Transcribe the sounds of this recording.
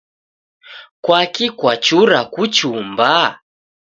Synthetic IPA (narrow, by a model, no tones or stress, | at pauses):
kwakikwat͡ʃuɾakut͡ʃumba